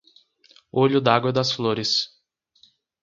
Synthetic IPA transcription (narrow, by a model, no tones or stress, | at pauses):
oʎʊd̪aɡwɐd̪ɐsfloɾɪs